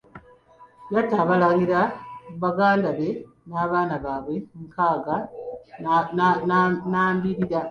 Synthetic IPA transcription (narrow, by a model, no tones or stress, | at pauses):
jataːβalaɣiɾaβaɡaːndaβe̞ | naːβaːnaβaːβwe̞ŋkaːɡa | nnaːmbiɾiɾa